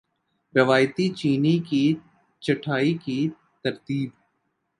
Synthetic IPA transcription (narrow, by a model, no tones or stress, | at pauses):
ɾɪʋaːjt̪it͡ʃiːniki | t͡ʃɐʈʰaːiki | t̪ɐɾt̪iːb